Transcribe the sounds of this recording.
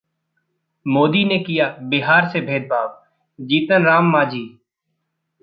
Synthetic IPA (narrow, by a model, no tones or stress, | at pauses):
moːd̪inekɪjaːbɪɦaːɾsebʱeːd̪̚bʱaːʋ | d͡ʒiːt̪ənɾaːmːaːd͡ʒiː